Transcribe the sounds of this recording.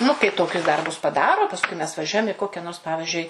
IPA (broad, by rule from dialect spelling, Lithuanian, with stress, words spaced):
nʊ kɐɪ ˈtoːkʲʊs ˈdɐrbʊs pɐˈdɑːroː pɐˈskʊɪ mʲɛs ʋɐˈʒʲuɔjɛm ɪ ˈkoːkʲɛ noːrs ˈpɑːʋʲɪʒʲʊɪ